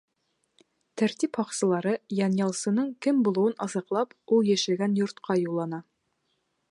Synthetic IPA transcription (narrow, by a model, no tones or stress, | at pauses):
t̪ʰæɾt̪iphɒqsɤ̆lˠɑɾɤjɑnjɑlˠsɤ̆nɤɴkɘmbulˠŭwɤnʔɑzɑ̆qlˠɑpulˠjæʃɘ̆lɡænjŭɾt̪qʰɑjulˠɑnɑ